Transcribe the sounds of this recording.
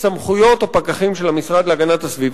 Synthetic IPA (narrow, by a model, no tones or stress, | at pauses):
samχujo̞t̪opakaχimʃelamisʁad̪leaɡanat̪hasviv